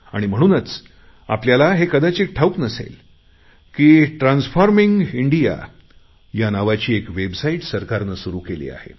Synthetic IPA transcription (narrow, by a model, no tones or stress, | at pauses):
a̰ɽ̃im̤əɽ̃uːnət͡s | a̰pljalaɦekəd̪at͡ɕek̚ʈʰauknəsḛl | kiːʈɾãnsfɔɾmiŋɡiɳɖija̰ | janaʋat͡ɕiːekʋebsaiʈsəɾkaɾnəsuɾuːkelḭːa̰hḛ